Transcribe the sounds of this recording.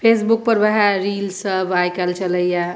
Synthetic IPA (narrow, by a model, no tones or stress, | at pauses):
pʰeːs̬buk̚pəɾbəɦaɾiːlsəbajkəlt͡ʃələja